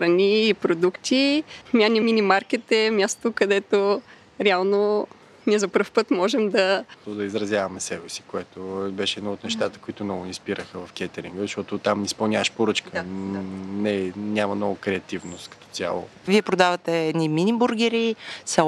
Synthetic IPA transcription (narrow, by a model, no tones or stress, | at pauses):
xɾɐnʲiːpɾod̪ukt̪ʲimʲanimʲinimaɾkit̪ɛmʲjast̪okɐd̪ɛt̪o | ɾɛalˠno | niɛzɐpəɾfpɤt̪mɔʒɛmd̪ɐod̪ɐizɾɐzʲjavɐmɛsɛbɛsi̥koɛt̪obɛʃɛɛd̪nɔot̪nɛʃt̪at̪ə̥koit̪ʊnɔɡʊnʲispiɾəxəvɐfkʲɛt̪ɛɾḭŋɡəzɐʃt̪ɔt̪ot̪amnispɐlˠnʲavəʃpoɾɤt͡ʃkə | nɛnʲamɐnɔɡəkɾɛɐt̪ivnost̪kɐ̥t̪ɔɔ̥t̪sʲja̰lˠo̰ | viɛpɾod̪avɐt̪ɛɛniminʲibuɾɡ̟ʲɛɾisɛ